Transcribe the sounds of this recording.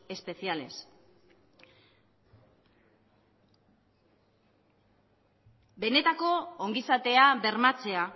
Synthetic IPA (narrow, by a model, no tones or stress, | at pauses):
e̞spe̞siale̞s | be̞ne̞t̪ako̞oŋɡisat̪e̞aβe̞ɾmat͡se̞a